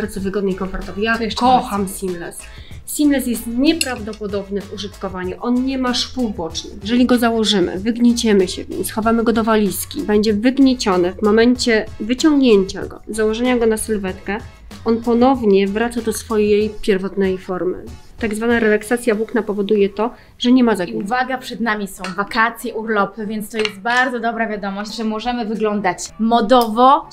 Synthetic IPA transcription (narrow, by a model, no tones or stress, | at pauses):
aɾd̪zɔvɘɡɔd̪̚nɛjkɔnfɔɾt̪ɔvjaɛkɔxamsʲimlɛs | sʲimlɛs̬jɛst̪ɲɛpɾavd̪ɔpɔd̪ɔbnɘvuʐɘt̪kɔvaɲuʔɔnɲɛmaʂpuwbɔt͡ʂnɘ̰jɛʐɛlʲiɡɔzawɔʐɘmɘ̰vɘɡɲet͡ɕɛmɘɕɛ̰vʲɲḭmsxɔvamɘɡɔd̪ɔvalʲiskʲibɛɲd͡ʑɛvɘɡɲet͡ɕɔnɛvmɔmɛɲt͡ɕɛvɘt͡ɕɔŋɡɲeɲt͡ɕa̰ɡɔ̰zawɔʐɛɲaɡɔnasɘlvɛt̪kɛ | ɔnpɔnɔvɲɛvɾat̪sad̪ɔsfɔjejpʲjɛɾvɔt̪nɛjfɔɾmɘ̰ | t̪aɡzvanaɾɛlaksat̪sʲjavwuknapɔvɔd̪ujɛt̪ɔ | ʐɛɲɛmazakʲiuvaɡapʂɛd̪namʲisɔ̃w̃vakat̪sʲjɛʔuɾlɔpɘvʲjɛnt̪st̪ɔjɛst̪̚baɾd̪ɔd̪ɔbɾavʲjad̪ɔmɔɕt͡ɕʲʐɛmɔʐɛmɘvɘɡlɔnd̪at͡ɕmɔd̪ɔvɔ